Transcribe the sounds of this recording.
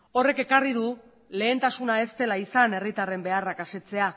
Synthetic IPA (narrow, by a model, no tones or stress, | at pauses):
o̞re̞ke̞karið̞u | le̞ːnt̪asunae̞st̪e̞laisane̞rit̪are̞mbe̞arakaset͡se̞a